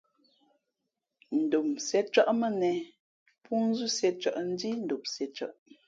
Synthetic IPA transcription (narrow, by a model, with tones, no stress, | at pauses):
n̩˨do˨msɛ˨˦t͡ʃə˦ʔmə˦˨nɛ˨ | pʰu˦n˦zu˦˨sjɛ˨t͡ʃə˨ʔn̩˦di˦n̩˦˨do˨p̚sɛ˨t͡ʃə̰˨ʔ